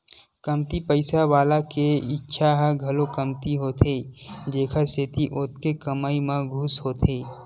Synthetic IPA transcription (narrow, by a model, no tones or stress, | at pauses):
kəmt̪ipəɪsaʋaːlakeɪtːʃʰaɦəɡʱɐlokəmt̪iɦoːt̪ʰed͡ʒeːkʰəseːt̪iʔoːt̪̚kekəmaːimẽɡʱusɦoːt̪ʰeː